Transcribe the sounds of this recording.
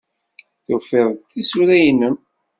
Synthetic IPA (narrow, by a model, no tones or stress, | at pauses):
θufɪðˤt̪ːisuɾæjənːən